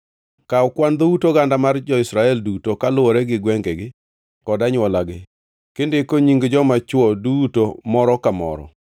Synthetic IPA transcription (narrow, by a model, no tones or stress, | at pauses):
kaɔkwand̪outoɡandamard͡ʒɔɪsɾaɛldutokalʊwɔɾɛɡɪɡwɛŋɡeɡɪ | kɔdaɲwɔlaɡɪ | kɪndɪkoɲiŋɡd͡ʒɔmat͡ʃwɔdutomɔɾɔkamɔ̰ɾɔ̰